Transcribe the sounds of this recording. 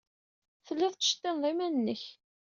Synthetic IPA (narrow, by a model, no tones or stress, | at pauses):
θəlːɪðˤt̪ə̥ʃt̪ːɪnðˤimænənːəç